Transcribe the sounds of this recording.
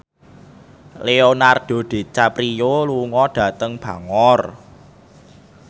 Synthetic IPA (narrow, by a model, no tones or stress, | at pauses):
leonard̥o̤ɖ̪̥e̤t͡ʃapɾijoluŋɔɖ̥ä̤t̪əŋb̥ä̤ŋɔr